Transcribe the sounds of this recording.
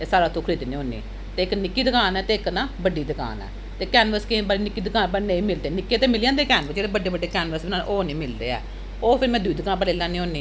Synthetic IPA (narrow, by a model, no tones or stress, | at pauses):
esaːɾaːt̪ʰːũːkʰəɾiːt̪iːnĩːɦõːnḭː | t̪eːɪknɪkːiːd̪əkaːnɛːt̪eːɪknãːbəɖiːd̪əka̰ːnɛ̰ː | t̪eːkɛːnʋəskebaːɽiːnɪkːiːd̪əkaːnpəɾnə̃ĩːmɪld̪eːnɪkːeːt̪eːmɪlːjãːnd̪eːkɛːnʋəd͡ʒeːɽeːbəɖeːbəɖeːkɛːnʋəɾsbinãːʔoːnĩːmɪld̪ḛːɛ̰ː | oːpʰɪɾmɛ̃ːd̪ʊiːd̪əkãːnpəɾleːlãːnĩːoːniː